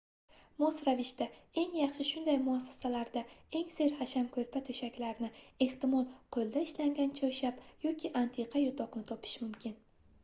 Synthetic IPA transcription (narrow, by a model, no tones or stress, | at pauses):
mɒsɾavɪʃt̪ae̞ŋjɑχʃɪʃʊnd̪ajmʊasːḁsalaɾd̪ae̞ŋse̞ɾhaʃamkʰɵɾpʰat̪ʰɵʃakʲlaɾnɪe̞ht̪ɪmɒlˠqʰolˠd̪aɪʃlaŋɡʲant͡ʃʰɒʃapjɒkʲʰɪʔant̪ʰeqʰɑjʊt̪ʰɒqnɪt̪ʰɒpʰɪ̥ʃmʊmkʲɪn